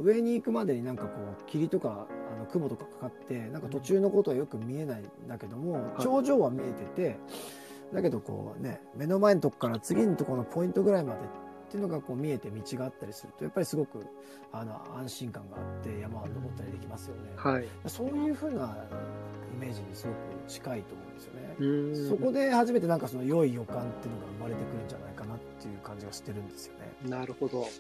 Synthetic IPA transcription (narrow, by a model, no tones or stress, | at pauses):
ɯ̟e̞ɲ̟iːkɯ̟mad̪e̞ɲ̟inãŋkako̞ːkʲiɾʲit̪o̞kaano̞kɯbo̞t̪o̞kḁkḁkat̪ːe̞nãŋkat̪o̞t͡ɕɨːno̞ko̞t̪o̞βajo̞kɯ̟mʲie̞naind̪ake̞d̪o̞mo̞t͡ɕo̞ːʑo̞ːβamʲie̞t̪e̞t̪e̞ | d̪ake̞d̪o̞ko̰ːne̞̰me̞no̞maent̪o̞kkːaɾat͡sɨɡʲinot̪o̞ko̞no̞pʰo̞ĩnt̪o̞ɡɯ̟ɾaimad̪e̞t̪ː | e̞iɯ̟no̞ɡako̞ːmʲie̞t̪e̞mʲit͡ɕiɡaat̪ːaɾʲisɨɾɯ̟t̪o̞japːaɾʲisɨɡo̞kɯ̟ | ano̞̰ã̰ɰ̃ɕĩŋkãŋɡa̰ːt̪ːe̞jamanːomot̪ːaɾʲid̪e̞kʲimasɨjo̞ne̞haiaso̞ːjɯ̟ːɸɯ̟ːna | ime̞ːʑiɲ̟ːisɨɡo̞kɯ̟t͡ɕi̥kait̪o̞ːmõ̞̰nd̪esɨjonẽso̞ko̞d̪e̞haʑime̞t̪e̞nãŋkaso̞nojo̞ijo̞kãnt̪eiɯ̟noɡaɯ̟maɾe̞t̪e̞kɯ̟ɾɯ̟̃ɲ̟d͡ʑa̰na̰ikanat̪ːe̞jɯ̟ːkãɲ̟d͡ʑiɡaɕi̥t̪ːe̞ɾɯ̟̃nd̪e̞sɨjo̞̰ne̞̰naɾɯ̟hod̪o